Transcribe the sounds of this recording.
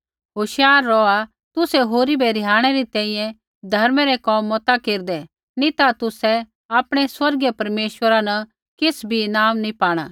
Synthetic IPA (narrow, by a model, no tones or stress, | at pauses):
ɦoːʃjaːɾːɔa | t̪ʊsɛɦoːɾibʱɛɾɪjaːɽ̃ɛɾit̪ɛ̃ːĩjɛ̃ | d̪ʱɐɾmɛɾɛkɔːmːɔt̪akeːɾd̪ɛ | nĩt̪at̪ʊsɛ | aːpɽ̃ɛswɐɾɡepɐɾmeːʃwəɾanɐ | kɪsbʱinaːmnĩpaːɽ̃aː